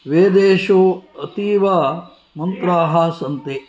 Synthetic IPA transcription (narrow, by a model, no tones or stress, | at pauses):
ʋeːd̪eːʃoːɐt̪iːʋaː | mɐnt̪ɾaːɦaːsɐnt̪e